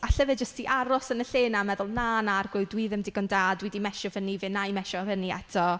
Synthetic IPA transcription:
aɬəvɨd͡ʒəstiʔaɾɔsənəɬeːnamɛðʊlˠnanarɡwʊdwiðɪmdɪɡɔndaːdwɛdimɛʃɔvənivɪnajmɛʃɔvəniɛtʰɔ

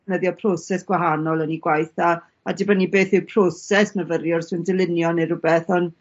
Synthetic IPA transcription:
nəðjɔpʰrɔsɛsɡ̥waɦanɔlˠəniɡwajθaː | dɪbɔnibeːθɪwpʰrɔsɛsnəvəɾjɔrsɨndɪlˠɪnjɔnɨɾʊbɛθɔn

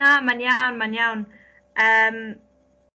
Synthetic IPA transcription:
amanjawnmanjawn | ʔɛm

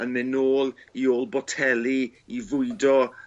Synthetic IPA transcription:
ənmɪnoːlˠioːlˠbɔtʰɛlˠiivʊɨdɔ

